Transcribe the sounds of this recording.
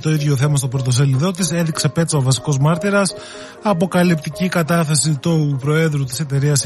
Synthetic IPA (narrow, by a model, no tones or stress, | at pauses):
t̪o̞iðʝo̞θe̞mɐst̪o̞pɾot̪o̞s̬eliðo̞t̪ise̞ðiksɐpe̞t̪t͡sɐovɐsi̥ko̞zmɐɾt̪iɾɐs | ɐpo̞kɐlipt̪icikɐt̪ɐθesit̪upɾo̞e̞ðɾut̪i̥se̞t̪e̞ɾiɐs